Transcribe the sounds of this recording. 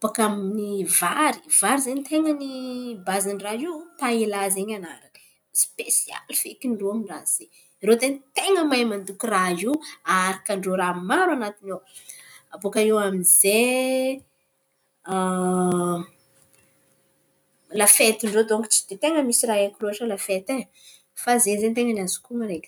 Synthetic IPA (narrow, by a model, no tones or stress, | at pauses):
pakamnivaɾiv̥aɾizent̪eŋənibazanraiwpailazeɲanaɾakə̥ | spesia̰lfḛkiɳɖ͡ʐoamiraz̥e | iɾod̪ent̪eŋəmajmand̪ukiraiaɾakəɳɖ͡ʐoɾamaɾwanat̪inew | abokaewamize | lafet̪iɳɖ͡ʐod̪oŋki̥t͡si̥d̪et̪eŋəmisiɾaakiruaʈ͡ʂəlafet̪e | fazezent̪eŋənazi̥kumaɾek